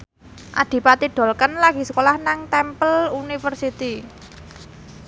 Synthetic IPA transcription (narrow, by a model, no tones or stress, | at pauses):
ʔa̰d̪̥i̤pat̪iɖ̥ɔ̤lkənlaɡ̥i̤səkolahnaŋt̪ɛmpəlunifərsit̪i